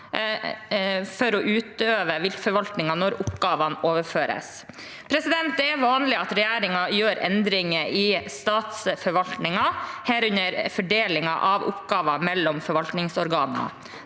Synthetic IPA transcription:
fɔɾɔʔʉːt̪øːʋəʋɪlfɔɾʋɑlt̪nɪŋɑnɔɾʊpɡɑːʋɑnoːʋəføːɾə̰s | pʰɾɛsɪd̪ɛnt̪̚d̪ɛɛʋɑːnlɪɑt̪ɾɛjæːɾɪŋɑjøːɾɛ̰nd̪ɾɪŋəʔɪst̪ɑːt̪sfɔɾʋɑlt̪nɪŋɑhæːɾʉɲəɾfɔɖeːlɪŋɑ̰ʔɑʋʊ̰pɡɑːʋɑmɛlːɔmfɔɾʋɑlt̪nɪŋsɔɾɡɑːnənə̰

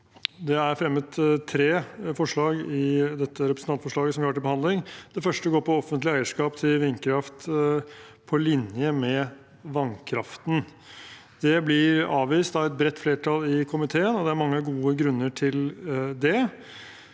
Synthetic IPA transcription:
d̪ɛæɾfɾɛmːəd̪t̪ʰːɾeːfɔʂɭɑːɡɪd̪ɛt̪ːəɾɛpɾəsn̩ɑnt̪fɔʂɭɑːɡəsɔmhɑʈɪbəhɑnd̪lɪŋd̪ɛfœʂʈəɡoːɾpʰɔɔfənt̪lɪæɪəʂkɑːpt̪ʰɪlʋɪnkʰɾɑft̪ | pʰɔlɪnjəmɛ | ʋɑnkʰɾɑft̪n̩ | d̪̥ɛblɪɾɑːʋʋiːst̪ɑːɛt̪̚bɾɛt̪ːfleːʈʰɑlɪkʰʊmɪt̪ʰeːənɔd̪ɛæɾmɑŋːəɡuːəɡɾʉnːəʈʰɪld̪ɛ

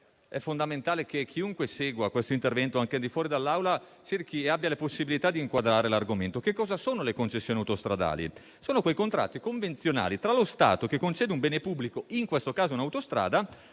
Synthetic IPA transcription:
ɛfːond̪ament̪aːlek̟ekʰːiuŋkweseːɡwakwest̪oint̪ervɛnt̪oaŋkeald̪ifwɔːɾid̪alːawla | t͡ʃerk̟ieabːjaleposːibilit̪ad̪iːŋkwad̪ɾaːɾelarɡoment̪okekːɔːzasoːnolekont͡ʃesːjoːnijawt̪ost̪ɾad̪a̰ːlḭ | soːnokwejkont̪ɾa̰t̪ːikoɱvent̪sjona̰ːlit̪ɾalost̪a̰ːt̪okekːont͡ʃɛːd̪eumbeːnepubːlikoiŋkwest̪okaːzounawt̪ost̪ɾa̰ːd̪a

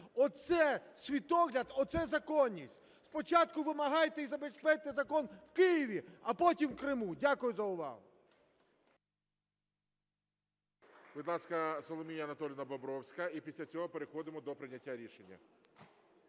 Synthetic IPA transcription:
ɔt̪sɛsʲʋʲit̪ɔɦlʲɐd̪ɔt̪sɛzɐkɔnʲːisʲtʲ | spɔt͡ʃɑt̪kʊʋɪmɐɦɑjt̪eizɐbespɛt̪ezɐkɔnwkɪjiʋʲiɐpɔtʲimkɾɪmudʲakʊjʊzɐʊʋɑ̰ɦʊ̰ | bɪd̪lˠɑsʲkɐsɔlˠɔmʲijɐɐnɐt̪ɔlʲinɐbɔbɾɔwsʲkɐipʲisʲlʲɐt͡sʲɔɦɔpeɾexɔd̪ɪmɔd̪ɔpɾɪnʲːɐtʲːaɾʲiʃenʲːɐ̰

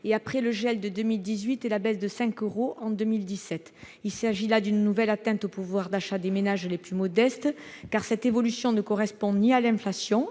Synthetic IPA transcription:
eapχɛləʒɛld̪əd̪ømild̪izɥit̪ɛlabɛsd̪əsɛ̃køʁoʔɑ̃d̪ømild̪isɛt̪ | ilsaʒilad̪ynnuvɛlat̪ɛ̃t̪opuvwaʁd̪aʃad̪emenaʒleplymɔd̪ɛst̪kaʁsɛt̪evɔlysjɔ̃nəkɔʁɛspɔ̃nialɛ̃flasjɔ̃

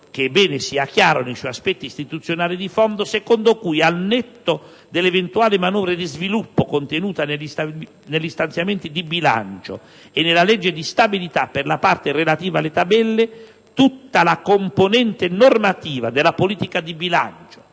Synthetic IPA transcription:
k̟ebːɛːnɪsiakjaːɾonejsɔjaspɛt̪ːiːst̪it̪ut̪sːjonaːlid̪ifɔnd̪osekond̪okujalnɛt̪ːo | d̪elːevent̪uaːlɪmanɔːvɾed̪izvilupːokont̪enuːt̪anelist̪a | nelːist̪ant̪sjament̪id̪ibila̰nt͡ʃo̰ | enːelalɛd͡ʒːed̪ist̪abilit̪apːerlapart̪ɪrelat̪iːvalːet̪abɛlːe | t̪ut̪ːalakomponɛnt̪enormat̪iːvad̪ɪlapoliːt̪ikad̪ibila̰nt͡ʃo̥

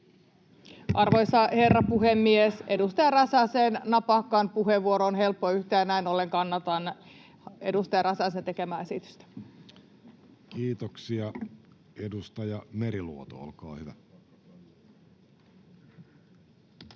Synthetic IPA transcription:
ʔɑrʋojsɑherːɑpuhemːiesedust̪ɑjɑrɑsɑseːnnɑpɑkːɑnpuheʋʋuoɾoonhelpːoyht̪æːnæinoleŋkɑnːɑt̪ɑn | ḛdust̪ɑjɑrɑsɑsent̪ekemæːesit̪y̥st̪æ̥ | kiːt̪oksiɑ | edust̪ɑjɑmeɾilṵot̪o̰o̰lkɑ̰ːhyʋæ

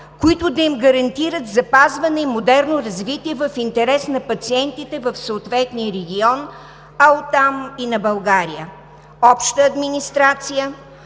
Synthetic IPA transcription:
kʊit̪ʊd̪ɐimɡɐɾɐnt̪iɾət̪zɐpazvɐnɛimod̪ɛɾnoɾɐzvit̪iɛvɐfint̪ɛɾɛsnɐpɐt̪siɛnt̪it̪ɛvɐfsoʊt̪vɛt̪nijəɾɛɡʲiɔn | ɐlt̪aminɐbɐlˠɡaɾijə | ɔpʃt̪əːd̪minist̪ɾat̪sijə

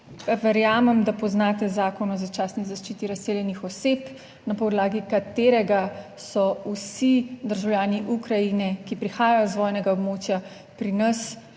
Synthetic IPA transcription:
ʋɛɾjaːmɛmd̪apɔznaːt̪ɛzaːkɔnɔzat͡ʃaːsnizaʃt͡ʃiːt̪iɾasseːljɛnixɔseːp | napɔd̪laːɡikat̪eːɾɛɡa | sɔusid̪əɾʒawjaːniʔukɾajinɛkipɾixaːjajɔzʋɔːjnɛɡaobmoːt͡ʃja | pɾinɐs

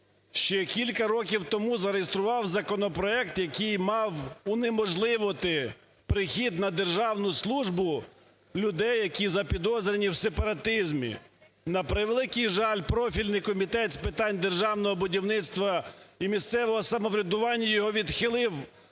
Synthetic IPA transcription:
ʃt͡ʃɛkʲilʲkɐɾɔkʲiwt̪ɔmuzɐɾejest̪ɾʊʋɑwzɐkɔnɔpɾɔɛk̚t̪jɐkijmɑwʊnemɔʒlˠɪʋɔt̪ɪ | pɾɪxʲid̪nɐd̪erʒɑwnʊslˠuʒbʊ | lʲʊd̪ɛjːɐkʲizɐpʲid̪ɔzɾʲenʲiwsepɐɾɐt̪ɪzmʲḭ | nɐpɾɪʋelˠɪkɪjʒɑlʲpɾɔfʲilʲnɪjkɔmʲit̪ɛt̪spɪt̪ɑnʲd̪erʒɑwnɔɦɔbʊdʲiwnɪt̪st̪ʋɐimʲist̪sɛʋɔɦɔsɐmɔʋɾʲɪd̪ʊʋɑnʲːɐjɔɦɔʋʲid̪xɪlˠɪw

